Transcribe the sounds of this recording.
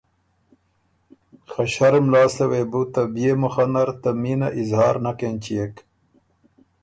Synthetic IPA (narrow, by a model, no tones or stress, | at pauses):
xɐɕɐɾmlɑːslewebut̪ɐbijemuxɐnɐɾt̪ɐmiːnɐʔizɦɑːɾnɐkent͡ɕijek